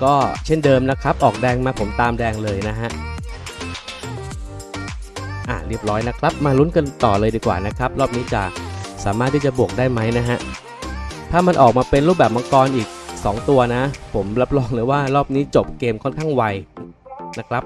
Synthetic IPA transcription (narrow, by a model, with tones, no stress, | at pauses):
kɔː˥˩t͡ɕʰe˥˩ndɤː˧mna˦˥kʰɾa˦˥p̚ʔɔː˨˩k̚dɛː˧ŋmaː˧pʰo˩˦mt̪aː˧mdɛː˧ŋlɤː˧jna˦˥ɦa˦˥ʔ | ʔa̰˨˧˩di˥˩əp̚ɾɔː˦˥jna˦˥kʰɾa˦˥p̚maː˧lu˦˥nka˧nt̪ɔ̰ː˨˩lɤː˧jdiː˧kwa̰ː˨˩na˦˥kʰɾa˦˥p̚ɾɔː˥˩p̚niː˦˥t͡ɕa̰˨˩saː˩˦maː˥˩t̪ʰːiː˥˩t͡ɕa˨˩bu˨˩ək̚daː˥˩jma˦˥jna˦˥ɦa˦˥ʔ | t̪ʰaː˥˩ma˧nʔɔ̰ː˨˩k̚maː˧pe˧nɾu˥˩pbɛː˨˩p̚ma˧˥kɔː˧nʔiː˨˩k̚sɔ̰ː˩˦ŋt̪u˧ɐna˦˥pʰo˩˦mla˦˥p̚lɔː˧ŋlɯː˩˦waː˥˩ɾɔː˥˩p̚niː˦˥t͡ɕo˨˩p̚keː˧mkʰɔ˥˩nkʰaː˥˩ŋwa˧j | na˦˥kʰɾa˦˥p̚